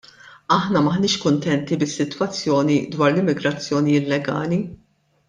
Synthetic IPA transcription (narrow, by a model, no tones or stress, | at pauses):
ɐħnɐmɐħnɪːʃkʊnt̪ɛnt̪ibɪsːɪt̪wɐt͡sːjɔːnid̪wɐːɾlɪmːɪɡɾɐt͡sːjɔːniɪlɛɡɐ̰ːli